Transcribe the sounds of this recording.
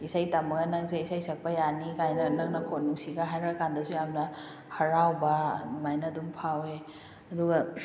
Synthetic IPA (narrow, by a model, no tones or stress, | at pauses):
isajtamɐɡɐnɐk̚zeisajsɐk̚pɐjanikajnɐnɐk̚nɐkʰot̚nuŋsiɡaɦajɾɐkandɐsujamnɐ | hɐɾawbɐmajnɐdumpʰawe | ɐduɡɐ